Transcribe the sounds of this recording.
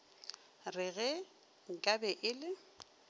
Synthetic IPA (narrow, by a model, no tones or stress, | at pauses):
rɪɣɛ | ŋ̩kʼabɛʔɪlɪ